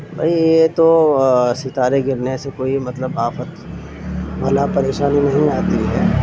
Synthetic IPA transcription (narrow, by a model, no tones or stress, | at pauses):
bʱɐ̰ijet̪osɪt̪aːɾeɡɪɾnesekoːimɐt̪ləbaːfət̪ | bɐlapɐɾeːʃaːninɐɦĩaːt̪iɦɛː